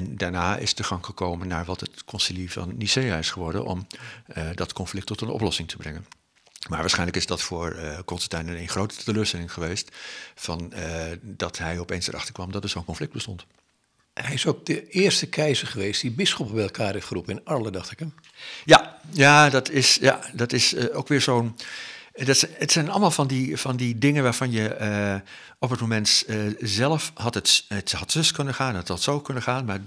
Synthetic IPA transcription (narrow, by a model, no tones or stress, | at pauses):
ɛndaːɹnaːɪ̰stəχɑŋχəkowmənːaːɹʋɑtətkʰɔnsilivɑ̰nːiseːaɪsχəʋɔɹdə̰nʔɔ̰mədɑtkɔnflɪk̚tɔtənɔ̰plɔsɪŋtʰəbrɛŋən | maːɹʋaːsχɛjnləkɪzdɑtfʊːɹkɔnstətɛnənenχrowtə̥təløːɹstɛlɪŋχəʋejstfɑn | dɑtɦɛjɔpejnsə̰ɾʔɑ̰χtəɹkʋɑmdɑt̚dəɹzownkɔ̃nflɪk̚d̚bəstɔnt | ɦɛjɪsowk̚dəɪəɹstəkʰɛjzəɹχəʋeːstdibɪsxɔpəbɛjɛlˠkʰaːɾɪfərupənɪnaɹlədɑxtɪkəm | jajaːdɔtʰɪsja̰dɔtɪsowkʋɪːɹzoːn | dɔtsətsɛjnɑ̰lˠmaːlˠfɔndifɔndidɪŋənʋaːɹv̥ɑnjə | ɔpət̚momɛntzɛlˠəfhɑtətəthɑtsøskønəxaːnɔtɔtsowkønəxaːnmaː